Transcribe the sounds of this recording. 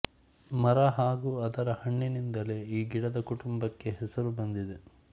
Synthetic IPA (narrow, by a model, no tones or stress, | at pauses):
mɐɾɐɦaːɡuːɐd̪ɐɾɐhɐɳːinind̪ɐle̞ːiːɡiɽɐd̪ɐkuʈumbɐkːe̞ɦɛsɐɾubɐnd̪id̪e̞